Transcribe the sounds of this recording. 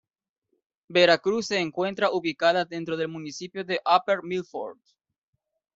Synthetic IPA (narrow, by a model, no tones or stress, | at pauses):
be̞ɾakɾusːe̞ːŋkwe̞nt̪ɾaʔuβikaðaðe̞nt̪ɾo̞ðe̞lmunisipjoðe̞ʔapeɾmilfo̰ɾd̪